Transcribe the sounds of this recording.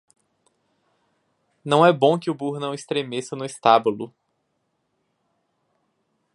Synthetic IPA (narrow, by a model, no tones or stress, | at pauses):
nɐ̃w̃ɛbõkɪʊbuɾnɐ̃w̃ist̪ɾemesɐnʊist̪abulʊ